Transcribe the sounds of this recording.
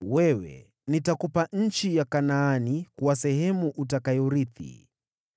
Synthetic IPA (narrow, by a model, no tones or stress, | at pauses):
wɛwɛ̰ | nitakupaɲ̩t͡ʃijakanaːnikuwasɛhɛmuʔutakajuɾiθḭ